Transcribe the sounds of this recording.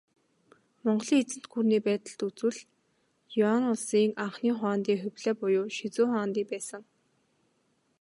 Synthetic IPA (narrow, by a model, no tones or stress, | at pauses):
mɔɴɢ̆ɮiːŋet͡sɘ̆n̥t̪ɡuːrniːpæːt̪ə̆ɬt̪ut͡swɘ̆ɮ | jʊanʊɮsiːŋaɴχniːχʊaːnt̪iːχʊwʲɮeːpʊjʊːʃit͡sʊːχaːnt̪iːpæːsə̆ŋ